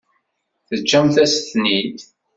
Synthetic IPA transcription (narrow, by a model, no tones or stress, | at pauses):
θəd͡ʒːæmθæsθnid̪